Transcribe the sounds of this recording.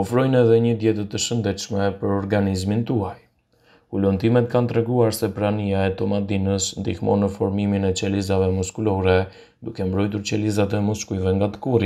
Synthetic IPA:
ɔfɾɔjnɛðɛɲəd̪jɛt̪ət̪əʃənd̪ɛt̪ʃmɛpəɾɔɾɡanizmint̪uaj | ulunt̪imɛt̪̚kant̪ɾɛɡuaɾsɛpɾaniaɛt̪ɔmad̪inəsnd̪ihmɔ̰nəfɔɾmiminɛt͡ʃɛlizavɛmuskulɔɾɛ | d̪ukɛmbɾɔjt̪̬uɾt͡ɕɛlizat̪ɛmuskujvɛŋɡat̪ə̥kuɾi

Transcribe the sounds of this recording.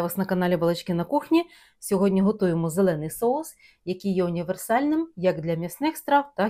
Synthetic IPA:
ʋɐsnɐkɐnɑlʲibɐlˠɪt͡ʃkɪnɐkuxnʲi | sʲɔɦɔdʲnʲiɦɔt̪ujemɔzelˠɛnɪjsɔʊs | jɐkijjɛʊnʲiʋersɑlʲnɪmjɐɡd̪lʲɐmʲisnɪxst̪ɾɑwt̪ɑ

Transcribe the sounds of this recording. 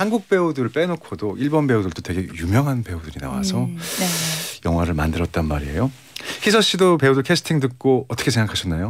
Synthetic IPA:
hanɡuk̚p͈e̞udɯɭp͈e̞nokʰodoʔiɭbʌnbe̞udɯɭt͈otwe̞ɡe̞jumjʌŋɦanpe̞udɯɾina̰wa̰sʰʌ | jʌŋɦwaɾɯɭmandɯɾʌt̚t͈anmaɾiejo | hisʰʌɕ͈idope̞udokʰesʰɯ̥tʰiŋdɯk̚k͈oʌt͈ʌkʰesʰeŋɡakʰaɕʰʌnːajo

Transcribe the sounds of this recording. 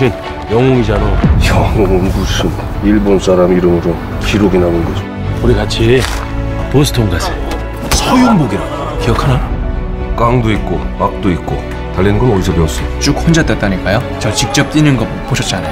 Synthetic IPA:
in | jʌŋoŋid͡ʑanojʌŋoŋoŋɡusʰɯm | iɭbons͈ʰaɾamiiɾɯmɯɾo | kiɾoɡenaonɡʌd͡ʑo | uɾikat͡ɕʰi | posʰɯ̥tʰoŋɡad͡ʑi̥ | sʰʌjoŋboɡiɾɯ | kijʌkʰana | k͈aŋdoit̚k͈omak̚t͈oit̚k͈o̰ | talːenɡʌnʌisʰʌpeʌs͈ʌt͡ɕ͈uk̚hond͡ʑat͈et͈aɲik͈ajo | t͡ɕʌt͡ɕik̚t͡ɕ͈ʌp̚t͈inɯnɡʌ | p͈oɕʰʌt͡ɕ͈iana

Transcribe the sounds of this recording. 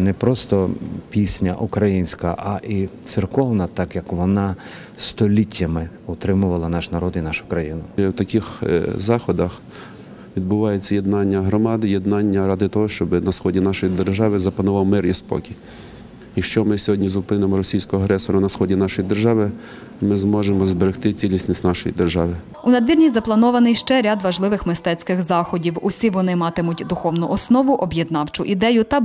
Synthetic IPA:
nɛpɾɔst̪ɔpʲisʲnʲɐ̰ʔukɾɐjinʲsʲkɐʔɐʔit̪sɪrkɔwnɐt̪ɑkjɐkʋɔnɑ | st̪ɔlʲitʲːɐmɪ | ɔt̪ɾɪmʊʋɐlˠɐnɑʃnɐɾɔd̪inɑʃʊ̥kɾɐjinʊɛwt̪ɐkɪxzɑxɔd̪ɐx | ʋʲid̪̚bʊʋɑjet͡sʲːɐjed̪nɑnʲːɐɦɾɔmɑd̪ɪjed̪nɑnʲːɐɾɑd̪ɪt̪ɔɦɔʃt͡ʃɔbɪnɐsxɔdʲinɑʃɔjid̪erʒɑʋɪzɐpɐnʊʋɑwmɪrjispɔ̰kʲi | ikʃt͡ʃɔmɪsʲɔɦɔdʲnʲizʊpɪnemɔɾɔsʲijsʲkɔɔɐɦɾɛsɔɾʊnɐsxɔdʲinɑʃɔjid̪erʒɑʋɪ | mɪzmɔʒemɔzbeɾext̪ɪt͡sʲilʲnʲisʲnʲisʲtʲnɑʃɔjḭd̪erʒɑʋɪ | ʊnɐd̪ʋʲirnʲizɐplˠɐnɔʋɐnɪjʃt͡ʃɛɾʲad̪ʋɐʒlˠɪʋɪxmɪst̪ɛt͡sʲkɪxzɑxɔdʲiwʊsʲiʋɔnɪmɑt̪ɪmʊtʲd̪ʊxɔwnʊʔɔsnɔʋʊʔɔbʲjed̪nɑwt͡ʃʊʔid̪ɛjʊt̪ɐ

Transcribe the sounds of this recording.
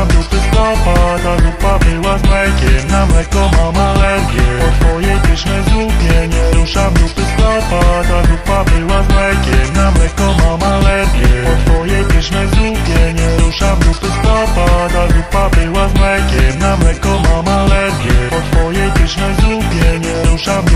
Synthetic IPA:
abɾupɪst̪ɔpat̪aɡɾupabɘwazlɛkʲɛmnamlɛkɔmamalɛɾɡʲjɛɔt̪vɔjɛjbɘɕmɘzupʲjɛɲɛɾuʂabɾupɘst̪ɔpat̪aɡɾupabɘwazlɛkʲɛmnamlɛkɔmamalɛɾɡʲjɛpɔd̪vɔjɛpiɕmɛzupʲjɛɲɛɾuʂamut̪ɛst̪ɔpat̪aɡɾupabɘwazwɛkʲjɛmnamlɛkɔmamalɛɾɡʲjɛpɔd̪vɔjɛpiɕmɛzɾupʲjɛɲɛɾuʂa

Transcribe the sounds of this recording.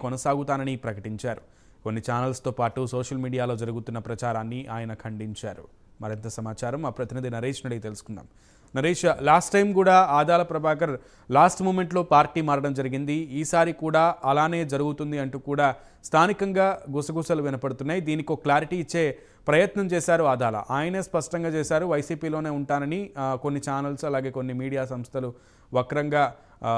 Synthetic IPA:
kɔnɐsaːɡut̪aːnɐnipɾɐkɐʈiɲt͡ʃaːɾu | konːit͡ʃaːnɐlst̪oːpaːʈuso̞ːʃɐlmiːɽijaːlo̞ːd͡ʒɐɾuɡut̪unːɐpɾɐt͡ʃaːɾaːnːiʔaːjɐnɐkʰɐɳɖiɲt͡ʃaːɾṵ | mɐɾint̪ɐsɐmaːt͡ʃaːɾɐmːaːpɾɐt̪inid̪inɐɾeːʃnɐɽit̪e̞lusu̥kunːa̰ːm | nɐɾeːʂlaːsʈːɐjmkuːɽaːaːd̪aːlɐpɾɐbʱaːkɐɾ | laːsʈmoːme̞ɳʈlo̞ːpaːɾʈiːmaːɾɐɽɐmd͡ʒɐɾiɡind̪iiːsaːɾikuːɽaːɐlaːne̞ːd͡ʒɐɾuɡut̪und̪iɐɳʈuːkuːɽaː | st̪ʰaːnikɐŋɡaːɡusɐɡusɐluʋinɐpɐɽut̪unːaːjid̪iːnikioklaːɾiʈiːt͡ʃːe̞ː | pɾɐjɐt̪nɐmt͡ʃɛːsaːɾuaːd̪aːlɐ̰ʔaːjɐneːspɐʂʈɐŋɡaːt͡ʃɛːsaːɾuʋɐjsiːpiːlo̞ːneːuɳʈaːnɐniko̞nːit͡ʃaːnɐlsɐlaːɡe̞ːkonːimiːɽijaːsɐmst̪ʰɐlu | ʋɐkɐɾɐŋɡaː

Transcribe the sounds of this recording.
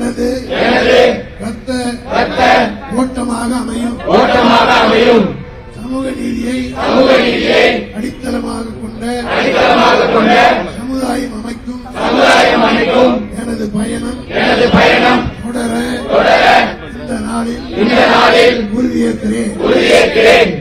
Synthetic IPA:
ɛnɐðɯɛnɐðɯɾɐt̪ːɐɾɐt̪ːɐʋoːʈːɐmaːɣɐɐmɐjɯmoːʈːɐmaːɣɐːmɐjɯm | sɐmɯɣɐniːðɪjɐsɐmɯɣɐniːðɪjɐɪɐɽɪt̪ːɐlɐmaːɣɐkːɔɳɖɐɐɽɪt̪ːɐlɐmaːɣɐkːɔɳɖɐsɐmʊðaːjɐmɐmɐɪkːɯmsɐmɯðaːjɐmɐɳɪkːɯmɛnɐðɯpɐjɐnɐmɛnɐðɯpɐjɐnɐmɽɐt̪ɔɽɐɾɐ | ɪnd̪ɐnaːɭɪlɪnd̪ɐnaːlɪlʊɾɪk̪ːɪeʊɾʊðɪjeɾk̪ːɪɾeː

